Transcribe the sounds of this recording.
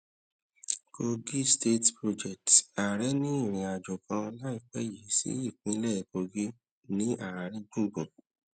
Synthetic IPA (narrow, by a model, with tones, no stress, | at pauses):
ko˧ɡi˦ste˦tpɾo˧d͡ʒɛ˨ta˨ɾɛ˦nĩ˦i˦˨ɾ̃ĩ˨a˨d͡ʒo˨kã˧la˦i˦˨k͡pɛ˦ji˨˦sḭ˦i˦˨k͡pĩ˨˦lɛ˦˨ko˧ɡi˦ | nĩ˦a˦˨a˨ɾĩ˧ɡũ˦˨ɡũ˨